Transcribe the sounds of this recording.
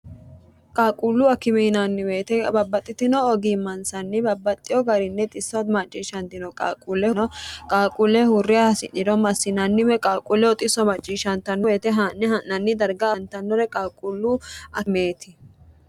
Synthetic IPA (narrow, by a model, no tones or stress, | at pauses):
kʼaːkʼulːʊɐkɪmɛnɐnːɪmeːt̪ɛbɐbːɐt̪ʼːɪt̪ɪnɔɔɡimɐnsɐnːɪbɐbːɐt̪ʼːɪjɔɡɐɾɪnːɛt̪ʼɪsːɔmɐt͡ʃʼːiːʃɐnt̪ɪnɔkʼa̰ːkʼulːɛnɔkʼaːkʼulːɛhʊrːɪjahɐsɪ̰ᶑɪd̪ɔmɐsːɪnɐnːɪmɛkʼaːkʼulːɛɔt̪ʼɪsɔmɐt͡ʃʼːiːʃɐnt̪ɐnːɔbe̞ːt̪ɛɦɐnːɛɐnɐnːɪd̪ɐɾɡɐɐnt̪ɐnːɔɾɛkʼaːkʼulːʊɐme̞ːt̪ɪ